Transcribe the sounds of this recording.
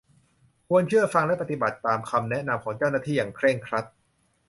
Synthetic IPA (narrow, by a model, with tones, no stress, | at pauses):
kʰu˧ənt͡ɕʰɯ˥˩əfa˧ŋlɛ˦˥pa˧t̪i˨˩ba˨˩t̪ːaː˧mkʰa˧mnɛ˦˥ʔna˧mkʰɔː˩˦ŋt͡ɕa˥˩wnaː˥˩t̪ʰiː˥˩jaː˨˩ŋkʰɾɛ˥˩ŋkʰɾa˦˥t̪̚